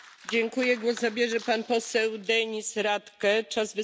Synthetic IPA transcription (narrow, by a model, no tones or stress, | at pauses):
d͡ʑɛŋkujɛɡwɔzzabʲjɛʐɛpanpɔsɛwd̪ɛɲisɾat̪kɛt͡ʂazvɘ